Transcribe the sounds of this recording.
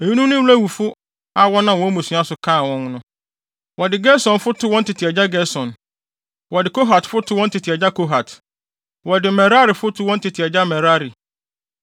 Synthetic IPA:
e˨jũ˦nũ˦nʊ̃˦wlæ˦˨wu˨fʊ˦ | a˦wɔ˦nã˨wɔ̃˨˦mũ˨su˨˦˨a˦sʊ˨kʰãː˦˨wɔ̃˦ŋ˦nʊ̃˦ | wɔ˨dɪ˨ɡɛ˦sɔ̃˨nfʊ˦tʰʊ˦wɔ̃˦n˦tʰɪ˨tʰɪ˨ɛ˨d͡ʑa˦ɡɛ˦sɔ̃˨n | wɔ˨dɪ˨kʰo˦ɦa˨tfʊ˦tʰʊ˦wɔ̃˦n˦tʰɪ˨tʰɪ˨ɛ˨d͡ʑa˦kʰo˦ɦa˨t | wɔ˨dɪ˨mɛ˨ɾa˦ɾi˨fʊ˦tʰʊ˦wɔ̃˦n˦tʰɪ˨tʰɪ˨ɛ˨d͡ʑa˦mɛ˨ɾa˦ɾi˨

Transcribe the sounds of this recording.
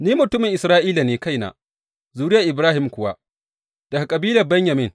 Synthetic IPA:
niː˦mʊ˨tʊ˦mɪ˨ŋʔɪ˨sɾaː˦ʔiː˦laː˨neː˨ka˦jna̰ː˨ | zuː˦ɾɪ˦ja˨ʔɪ˨bɾaː˦hɪ˨mkʷʊ˦wa̰˦ | d̥ɐ˨ka˨kʼɐ˨biː˦lɐ˨bɛ˦ɲjɐ˨mɪ˦ŋ

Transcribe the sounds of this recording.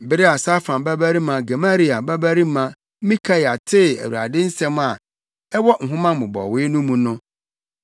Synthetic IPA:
bɪ˦ɾɪ˦a˨sa˦fã˨nba˦bæ˦ɾi˦mã˨ɡa˨ma˦ɾi˦a˨ba˦bæ˦ɾi˦mã˦ | mĩ˦kʰa˦ja˨tʰɪ˦˨æ̰˨wu˨a̰˨dɪ˦n̩˦sɛ̃˦ma˨ | ɛ˦wɔ˦˨ŋ̩˨ɦʊ̃˦mã˦˨mʊ̃˨bɔ̰˨wɪː˦nʊ̃˦mũ˨nʊ̃˦

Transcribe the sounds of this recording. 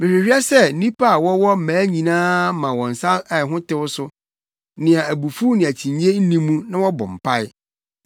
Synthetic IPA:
mɪ˨hɪ˨hᶣɥa˦sɛ˦n̩˦nĩ˦pʰa˦a˨wɔ˦wɔ˦m̩˦˨mæ̃ː˨˦ɲĩ˨nãː˦mã˨wɔ̃˨n̩˨sã˦mɛ˨ɦʊ̃˦tɪ˦wʊ˦sʊ˦ | nɪ̃˨a˨æ˨bu˨fu˦nɪ̃˨æ˨t͡ɕʰĩ˨ɲ˦e˦n̩˦nĩ˦mːũ˦nã˦wɔ˦bɔ̰̃˨m̩˨pʰa˦ɪ˦

